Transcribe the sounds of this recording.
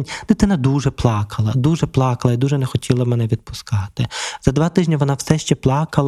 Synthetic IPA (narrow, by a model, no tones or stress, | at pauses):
nʲd̪ɪt̪ɪnɐd̪uʒɛplˠɑkʰɐlˠɐd̪uʒɛplˠɑkɐlˠɐid̪uʒɛnɛxɔtʲilˠɐmɛnɛʋʲid̪̚pʊskɑt̪ɪz̥ɐd̪ʋɑt̪ɪʒnʲɐʋɔnɑwsɛʃt͡ʃɛplˠɑkɐlˠ